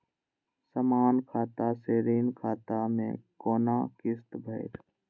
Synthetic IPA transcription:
səmaːnkʰaːt̪aseːɾiːnkʰaːt̪amḛ̃koːnakɪst̪bʱəɪɾ

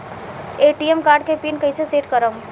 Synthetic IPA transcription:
eːʈiemkaːɾɖkepinkɐɪseseːʈkəɾəm

